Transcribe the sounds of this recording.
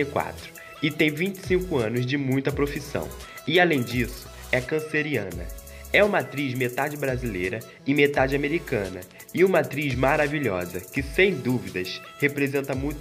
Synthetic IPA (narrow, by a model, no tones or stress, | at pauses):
kwa̰t̪ɾʊ̥ | ɪt̪ẽj̃vĩnt͡ʃɪ̥sĩŋkʊɐ̃nʊzd͡ʒɪmũj̃t̪ɐpɾofisɐ̰̃w̃ | ɪalẽj̃d͡ʒisʊ̥ | ɛkɐ̃seɾiɐ̰̃nɐ̰ | ɛũmɐat̪ɾizmet̪ad͡ʒɪbɾazilejɾɐ | ɪmet̪ad͡ʒɪameɾikɐ̃nɐ̰ | ɪũmɐat̪ɾizmaɾaviʎɔ̰zɐkɪsẽj̃d̪uvid̪ɐs | hepɾezẽnt̪ɐmũj̃t̪